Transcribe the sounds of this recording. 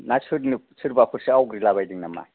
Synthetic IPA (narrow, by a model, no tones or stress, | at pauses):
nasʰɯɾnisʰɯɾbakʰuɾsiawɡɾilabajdiŋnama̰j